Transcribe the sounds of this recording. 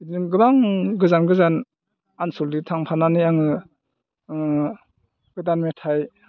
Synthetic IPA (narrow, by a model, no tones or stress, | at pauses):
dɯɡɯbaŋɡɯzanɡɯzan | ansɔlditʰaŋpʰananijaŋɯ | ɡɯdanmetʰaj